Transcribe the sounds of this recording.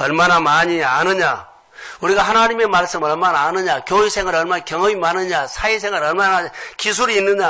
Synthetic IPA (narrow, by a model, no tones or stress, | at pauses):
ʌɭmanamaɲia̰nɯɲa | uɾiɡaɦanaɲime̞maɭs͈ɯmɯɾʌɭmanaːnɯɲakjoisʰe̞ŋɦaɾʌɭmanakjʌŋʌmimanɯɲasʰaisʰeŋɦaɾʌɭmanakis̬ʰuɾiːnːɯɲa